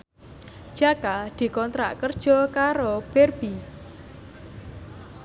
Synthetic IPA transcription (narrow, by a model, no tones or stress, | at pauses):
ʒ̥akad̪̥i̤kɔnt̪ɾa̰ʔkərd̥ʒ̥ɔ̤kaɾob̥erb̥i